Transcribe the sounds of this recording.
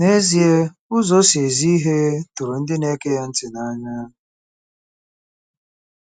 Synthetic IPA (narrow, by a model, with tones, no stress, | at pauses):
ne˦zi˨˦e˦ | ʊ˦zɔ˦se˨zi˦i˦ɦe˦tu˨ɾo˨n̩˦dɪ˦ne˦ke˦ja˦n̩˦tɪ˨na˦ɲa˦